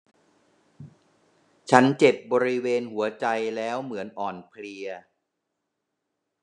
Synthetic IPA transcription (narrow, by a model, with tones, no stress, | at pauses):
t͡ɕʰa˦˥nt͡ɕe˨˩p̚bɔː˧ɾi˦˥weː˧nhu˩˦ɐt͡ɕa˧jlɛː˦˥wmɯ˩˦ənʔɔː˨˩npʰli˧ɐ